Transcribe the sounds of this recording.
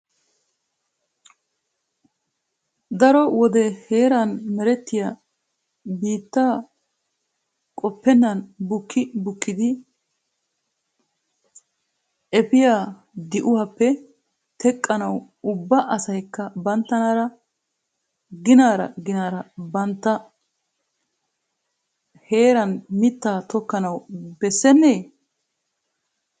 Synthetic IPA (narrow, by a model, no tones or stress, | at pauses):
d̪ɐɾɔwɔd̪ɛhe̞ːɾɐnmɛɾɛt̪ːɪja | biːt̪ːaː | kʼɔpːɛnːɐnbʊkːɪbʊkːɪd̪ɪ | ʔɛpɪjaː | d̪ɪʔʊwɐpːɛ | t̪ʰɛkʼːɐnɐw | ʊbːɐʔɐsɐjkːɐbɐnt̪ːɐnaːɾɐ | ɡɪnaːɾɐ̰ɡɪnaːɾɐbɐnt̪ːɐ | he̞ːɾɐnmɪt̪ːaːt̪ɔkːɐnɐwbɛsːɛnːeː